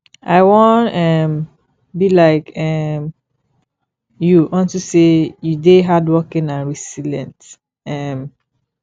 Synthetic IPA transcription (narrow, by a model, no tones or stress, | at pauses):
ʔa̰ɪwɔ̃nɛm | bilaɪkʰɛm | juʔɔ̃ntusejudeɦadwɔkĩnãnɹisilɛ̰̃nt | ɛm